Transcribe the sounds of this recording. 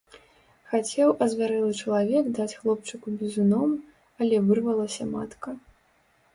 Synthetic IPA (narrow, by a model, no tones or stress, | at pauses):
xat͡sʲɛwʔɐzvʲaɾɛlˠɨt͡ʂɐlˠavʲɛkd̪at͡sʲxlˠɔp̚t͡ʂɨkubʲizunɔm | ɐlʲɛvɨrvɐlˠɐsʲɐmat̪kɐ